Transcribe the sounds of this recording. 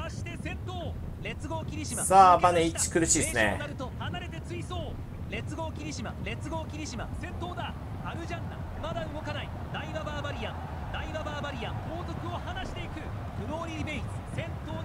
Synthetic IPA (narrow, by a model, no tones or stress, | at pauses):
aɕi̥t̪e̞sẽ̞t̪ːo̞ː | ɾe̞t͡sɨɡo̞ːkʲiɾʲiɕimasabaneit͡ɕi̥kɯ̟ɾɯɕiːsɨnḛnaɾɯt̪o̞hanaɾe̞t̪e̞t͡sɨiso̞ː | ɾe̞t͡sɨɡo̞ːkʲiɾʲiɕimaɾe̞t͡sɨɡo̞ːkʲiɾʲiɕimasẽ̞t̪ːo̞ːd̪a | aɾɯ̟ʑãnːa̰ | mad̪aɯ̟ɡo̞kanai | d̪aibabaːbaɾʲijãm | d̪aibabaːbaɾʲijãmbo̞ːt̪o̞kɯ̟o̞hanaɕi̥t̪e̞ikɯ̟ | bɯ̟ɾo̞ːɾʲibe̞it͡sɨ̥sẽ̞t̪ːoː